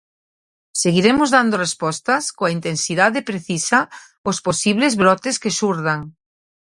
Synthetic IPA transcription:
seɣiɾemozðand̪orespɔst̪ɐskoaint̪ensiðaðepɾeθisa | osposiβlezβɾɔt̪eskesuɾðaŋ

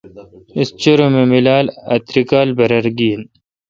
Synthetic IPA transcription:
ɪst͡ɕɐɾomemilaːlɐ̰t̪ɾikaːlbɐɾɐɾɡiːn

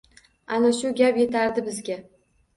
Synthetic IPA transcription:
anaʃʊɡʲapje̞t̪ʰaɾd̪ɪbɪzɡʲa

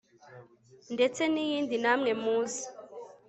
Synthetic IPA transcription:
ndet͡senijiːndinamŋemuːsi̥

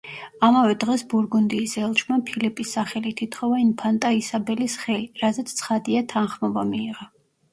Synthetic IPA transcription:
amavɛd̪ʁɛsbuɾɡund̪iːsɛlˠt͡ʃʰmapʰilipʼisːaχɛlit̪ʰit̪ʰχɔvainpʰant̪ʼaisabɛlisχɛliɾazɛt̪stsʰχad̪iat̪ʰanχmɔbamiːʁa

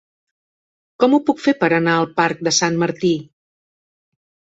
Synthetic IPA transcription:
kɔmupukfepəɾənaəlˠpaɾk̚d̪əsanməɾt̪i

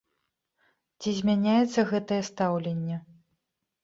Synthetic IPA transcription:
t͡sʲizʲmʲanʲajɛt̪sːɐɣɛt̪ɐjɛst̪awlʲenʲːɛ

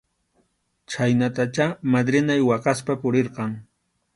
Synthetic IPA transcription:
t͡ʃajnat̪at͡ʃamad̪ɾɪnajwaqaspapʊɾeɾqɑŋ

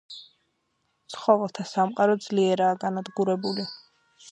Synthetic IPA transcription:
t̪sʰχɔvɛlˠt̪ʰasamqʼaɾɔd̪z̥liɛɾaːɡanad̪ɡuɾɛbuli

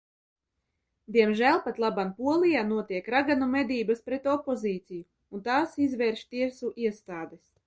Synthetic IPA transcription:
d̪iɛmʒælˠpat̪lˠabampuɔlˠijaːnuɔt̪iɛkɾaɡanumɛd̪iːbaspɾet̪ɔpɔziːt̪siju | unt̪aːsizvɛɾʃt̪iɛsuʔiɛst̪aːd̪es

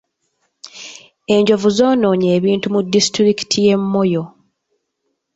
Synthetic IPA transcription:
e̞ɲɟo̞vuzoːno̞ːɲe̞ːβiːntumudːistɾiki̥tʰije̞mːo̞jo̞

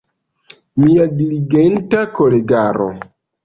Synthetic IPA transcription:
miadiliɡentakoleɡaɾo̰

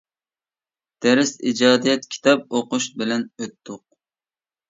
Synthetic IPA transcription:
d̪̥ɛɾɪsid͡ʒɑːd̪ijɛt̪kʲʰi̥t̪ʰɑp̚oqʊʃbɪlɛnøt̪ʰːʊq̚

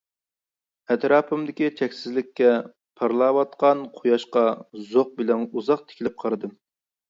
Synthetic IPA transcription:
ɛt̪ɾɑːpʰɨmd̪ɪkʲit͡ʃʰɛkʲsɪzlɪkʲʰːɛ | pʰɑɾlˠɑːwɑt̪qɑnqʰojɑʃqɑzoq̚bɪlɛnuzɑq̚t̪ʰɪ̥kʲlɪp̚qʰɑɾɨd̪ɨ

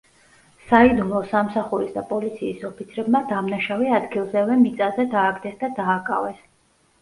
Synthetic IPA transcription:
said̪ulˠɔsamsaχuɾisd̪apʼɔlit̪sʰiːsɔpʰit̪sʰɾɛbmad̪amnaʃaviad̪ɡilˠzɛvɛmit̪sʼazɛd̪aːɡd̪ɛsd̪ad̪aːkʼa̰vɛs

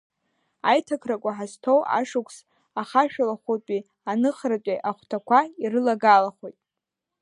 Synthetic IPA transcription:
ajtʰakʰrakʷʼaħaztʰowʔa̰ʂukʷʰs | aχaʃᶣalaχʷopʼi | anɨχrat͡pʼiʔaχʷtʰakʷʰairɨlaɡalaχʷojtʼ

